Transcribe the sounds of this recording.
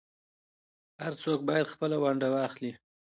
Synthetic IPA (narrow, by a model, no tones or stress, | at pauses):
haɾt͡sok̚bɑjad̪xpəlawaɳɖawɑːxli